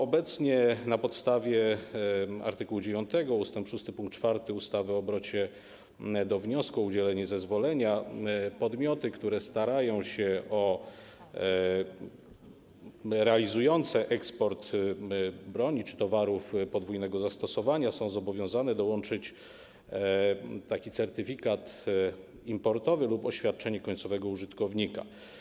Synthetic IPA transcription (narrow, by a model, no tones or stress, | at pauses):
ɔbɛt̪sɲɛnapɔt̪st̪avʲjɛ | a̰ɾt̪ɨkuwud͡ʑevjɔnt̪ɛɡɔust̪ɛmpʂust̪ɘpuŋkt̪̚t͡ʂfaɾt̪ɘust̪avɘɔbɾɔt͡ɕɛ | d̪ɔvɲɔskuɔud͡ʑɛlɛɲɛzɛzvɔlɛɲapɔd̪mʲjɔt̪ɘkt̪uɾɛst̪aɾajɔ̃w̃ɕɛɔ | ɾɛalʲizujɔnt̪sɛʔɛkspɔɾt̪ | bɾɔɲit͡ʂɘ̥t̪ɔvaɾufpɔd̪vujnɛɡɔzast̪ɔsɔvaɲasɔ̃w̃zɔbɔvʲjɔ̃w̃zanɛd̪ɔwɔnt͡ʂɘt͡ɕ | t̪akʲit̪sɛɾt̪ɘfʲikat̪ | impɔɾt̪ɔvɘlupɔɕfʲjat̪̚t͡ʂɛɲɛkɔɲʲtsɔvɛɡɔuʐɘt̪kɔvɲika̰